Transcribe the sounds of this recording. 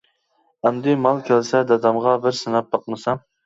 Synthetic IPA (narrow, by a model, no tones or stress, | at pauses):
ɛmd̪ɪmɑlˠkʲʰælsɛd̪ɑd̪ɑmʁɑbɪɾsɨnɑp̚bɑqmɨsɑm